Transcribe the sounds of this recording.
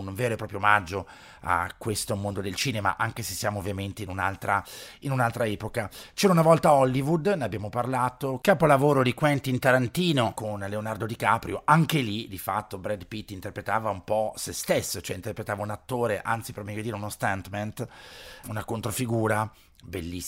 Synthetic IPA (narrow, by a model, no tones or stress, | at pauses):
unveːɾoepɾɔːpɾjomad͡ʒːo | a̰kːwest̪omond̪od̪elt͡ʃiːnema̰ʔaŋkesesːjaːmovːjament̪einuna̰lt̪ɾainunalt̪ɾaɛːpokat͡ʃɛɾaunavɔlt̪aɔlːivud̪neabjaːmoparlaːt̪okaːpolavoːɾod̪ikwɛnt̪int̪aɾant̪iːnokonleonard̪od̪ikaːpɾjoʔaŋkelid̪ifa̰t̪ːobɾɛd̪pit̪ːint̪erpɾet̪aːvaumpɔsest̪esːot͡ʃoɛint̪erpɾet̪aːvaunat̪ːoːɾeʔa̰nt̪sipeɾmɛjod̪iːɾeunost̪ant̪mɛnt̪unakont̪ɾofiɡuːɾa | belːi